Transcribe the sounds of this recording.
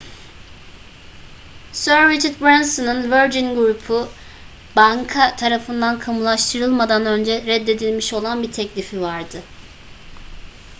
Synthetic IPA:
søɾːit͡ʃʰaɾt̪̚bɾansonɯnvøɾd͡ʒinɡɾupʰu | baŋkʰat̪ʰaɾafɯnd̪ankʰamulˠaʃt̪ʰɯɾɯlˠmad̪anø̞nd͡ʒɛɾɛd̪ːe̞d̪ilʲmiʃo̞lˠanbit̪ʰɛclʲifivaɾd̪ɯ

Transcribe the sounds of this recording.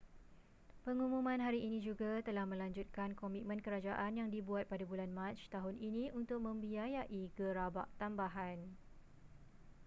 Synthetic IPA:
pəŋumũmãnɦaɾiʔinĩd͡ʒuɡat̪əlahmə̃laɲd͡ʒut̪̚kankɔmit̪̚mə̃nkəɾad͡ʒaʔanjaŋdibuat̪̚padabulanmãt͡ʃt̪aɦʊnʔinĩʔunt̪ʊk̚mə̃mbiajaʔikəɾabaʔt̪ambaɦan

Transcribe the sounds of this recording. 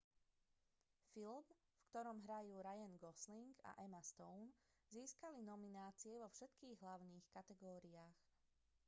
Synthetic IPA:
film | fkt̪ɔɾɔmɦɾajuːɾajɛnɡɔsliŋɡa̰ʔɛmast̪ɔʊnziːskalinɔminaːt͡siɛʋɔfʃɛt̪kiːɣɦlaʊniːxkat̪ɛɡɔːɾiaːx

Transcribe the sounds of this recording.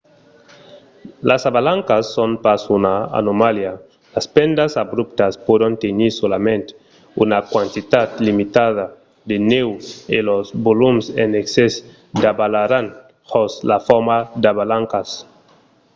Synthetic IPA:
lʔasaβalaŋkasːonpasunaa̰nomalja | laspend̪asabɾup̚t̪aspodont̪eniɾsolamẽnt̪ | unakwant̪it̪at̪limit̪aða | d̪enewelozbolumsḛnekses | d̪abalaɾan | hoslafɔɾmad̪aβalaŋkas

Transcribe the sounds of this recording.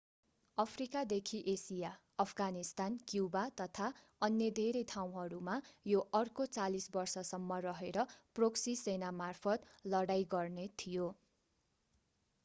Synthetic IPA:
ʌpʰrikad̪ekʰiʔesija | ʌpʰɡanist̪ankjubat̪ʌt̪ʰa | ʌnːjed̪ʱeɾejt̪ʰaw̃ɦʌɾumajoʔʌrkot͡salisbʌrsʌsʌmːʌrʌɦeɾʌproksisenamarpʰʌt̪lʌɽajɡʌrnet̪ʰijo

